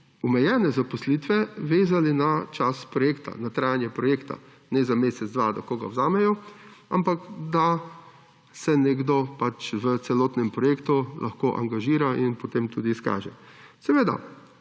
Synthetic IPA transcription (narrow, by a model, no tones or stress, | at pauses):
ɔmɛjɛːnɛzapɔslit̪ʋɛʋeːzalinat͡ʃaspɾɔjeːkt̪a̰nat̪ɾaːjanjɛpɾɔjekt̪a̰ | nɛzameːsɛd̪ʋad̪ɐkoːɡa̰wzaːmɛjɔa̰mpakd̪a | sɛnɛɡd̪ɔpat͡ʃʋət̪sɛloːt̪nɛmpɾɔjeːkt̪ulʔa̰xkoːʔa̰ŋɡaʒiːɾainpot̪emt̪uːd̪iːska̰ːʒɛ̰sɛʋeːd̪a̰